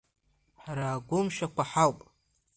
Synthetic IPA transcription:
ħaɾaːɡʷʊmʃakʷaħawpʼ

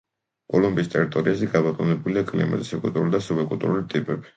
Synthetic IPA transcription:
kʼɔlumbiːst̪ʼɛɾit̪ʼɔɾiazɛɡabɔq̪ʼɔnɛbuliakʼlḭma̰zʼisɛkʼult̪ʼuɾulid̪asubɛkʼult̪ʼṵɾulit̪ʼipʼɛbi̥

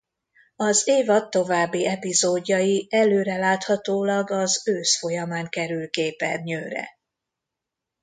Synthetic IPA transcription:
ɒzeːvɒt̪ːo̞vaːbːiɛpizoːɟːɒjiɛløːɾɛlaːt̪hɒt̪oːlɒɡɒzøːsfo̞jɒmaːŋkɛɾylkeːpɛ̰nɲøːɾɛ̰

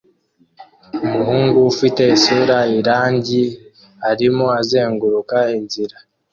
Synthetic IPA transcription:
umuhuːŋɡuːfite̞isuːɾaiɾaːɲɟi | aɾimo̞aze̞ːŋɡuɾukainziɾa

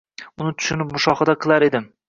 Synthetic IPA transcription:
ʊnɪt̪ʰʊ̥ʃɪnɪpmʊʃɒχɨd̪aqʰɨlˠaɾe̞d̪ɪm

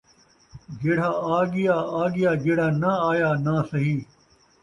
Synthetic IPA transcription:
d͡ʒeːɽ̤aːaːɡɪjaːaːɡɪjaːd͡ʒeːɽ̤aːnɐaːjaːnaːsɐɦĩː

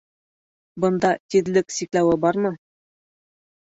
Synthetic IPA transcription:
bɤ̆nd̪ɑt̪iðlɘksiklæwɘbɑɾmɤ

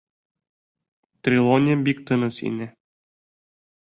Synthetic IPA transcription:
t̪ɾʲilˠonʲebik̚t̪ɤnɤ̆sḭnɘ

